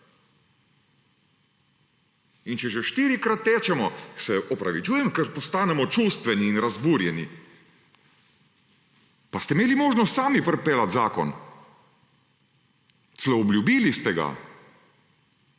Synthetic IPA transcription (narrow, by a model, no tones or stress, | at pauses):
int͡ʃɛʒɛʃt̪iːɾikɾat̪ːɛːt͡ʃɛmɔsɛʔɔpɾaʋit͡ʃuːjɛmkɛɾpɔst̪aːnɛmɔt͡ʃuːst̪ʋɛniːnɾazbuɾjɛni | past̪ɛimeːlimoːʒnɔst̪saːmipɾɛpɛːlat̪zaːkɔ̰n | t̪slɔːbljubiːlist̪ɛɡa̰